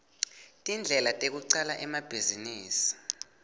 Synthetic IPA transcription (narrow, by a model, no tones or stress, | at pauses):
tʼind͡ɮʱɛlatʼek̬uǀalaʔɛmab̥ʱiziniːsi̥